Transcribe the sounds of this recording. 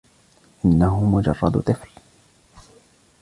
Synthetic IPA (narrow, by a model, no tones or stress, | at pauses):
ʔɪnːaɦʊmʊd͡ʒɑ̰rˤːɑd̪t̪ˤɨfl